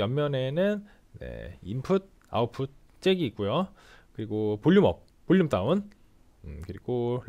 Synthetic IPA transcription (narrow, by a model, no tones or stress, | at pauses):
jʌmmjʌne̞nɯn | ne̞̰impʰud̚ | a̰opʰut̚ | t͡ɕ͈eɡiːk͈ujo | kɯɾiɡopoʎːumʌp̚ | p͈oʎːumt͈aun | ɯkɯɾiɡo